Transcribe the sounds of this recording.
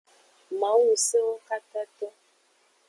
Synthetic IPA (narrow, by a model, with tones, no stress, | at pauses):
ma˨˦wu˨se˦wo˦ka˦ta˦tɔ˦